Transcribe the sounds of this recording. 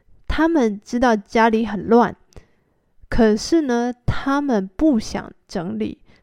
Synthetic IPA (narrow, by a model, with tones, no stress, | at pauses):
t̪ʰa˥mə˨nʈ͡ʂɻ̩˥t̪ɑ˥˩ʊt͡ɕja˥li˧˥xə˨˩nlwa˥˩n | kʰɤ˨˩ʂɻ̩˥˩nə˨t̪ʰa˥mə˨npu˥˩ɕjɑ̰˨˩ŋʈ͡ʂɤ˧˥ŋlḭ˨˩˦